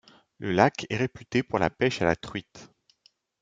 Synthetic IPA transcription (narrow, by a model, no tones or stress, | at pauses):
ləlakʰɛʁepyt̪epuʁla̰pɛʃala̰t̪χɥit̪